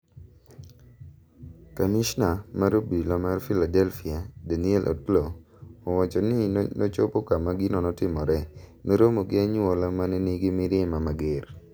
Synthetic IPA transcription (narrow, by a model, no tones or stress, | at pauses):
kamiʃnamaɾobilɔmarfiladɛlfiadaniɛlʔo̰tloː | wat͡ʃɔnɪnɔt͡ʃopokamaɡinɔnɔtɪmɔɾɛneɾomoɡɪaɲolamanɛniɡɪmɪɾɪmamaɡer